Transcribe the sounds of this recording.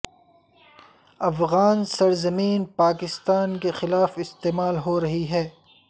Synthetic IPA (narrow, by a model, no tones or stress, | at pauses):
ɐfɣaːnsɐɾzɐmiːnpaːkɪst̪aːnkexɪlaːfɪst̪eːmaːlɦoɾɐɦiɦɛː